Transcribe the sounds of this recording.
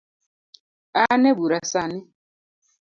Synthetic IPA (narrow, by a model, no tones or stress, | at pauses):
anɛbuɾasanɪ